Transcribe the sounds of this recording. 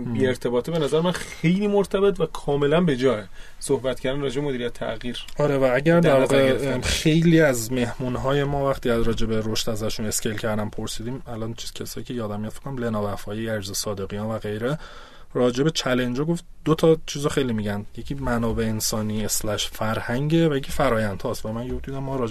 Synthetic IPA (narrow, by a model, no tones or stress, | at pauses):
biːeɾt̪ʰe̞bɒːt̪ʰibe̞næzæɾemæn | e̞jliːmoɾt̪ʰæbe̞t̪ʰvækʰɒːme̞lænbe̞d͡ʒɒːe | sohbæt̪̚cʰæɾd̪ænɾɒːd͡ʒebemod̪iɾijæt̪ʰːæ̰ɣiːɾɒɾevææɟæɾd̪æɾvɒːɣexe̞jliːæzme̞hmunɦɒːje̞mɒːvæxt̪iæzɾɒːd͡ʒe̞be̞ɾoʃt̪æzæʃune̞scʰelcʰæɾd̪ænpʰoɾsid̪iːmælɒnt͡ʃʰiz̥cʲʰesɒːjiːcʰejɒːd̪æmːijɔd̪fe̥kːonæmlenɒːvæfɒːjiæd͡ʒzesɒːd̪e̞ɣijɒːnvæɣe̞jɾe | rɒːd͡ʒe̞be̞t͡ʃʰælend͡ʒɒɡo̞ft̪d̪ot̪ʰɒt͡ʃʰiːzɒxe̞jlimiɟænd̪je̞cʰiːmænɒːbe̞ensɒːniːeslæʃfæɾhæŋɟevæjecʰifæɾɒːjænd̪ʰhɒːst̪væmænjod̪iːd̪æmːɒːɾɒːd͡ʒ